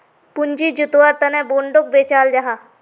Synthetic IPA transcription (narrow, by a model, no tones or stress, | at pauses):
pʊɲd͡ʒid͡ʒʊt̪waːɾt̪ɐnɛboːɳɖok̚beːt͡ʃaːld͡ʒaɦaː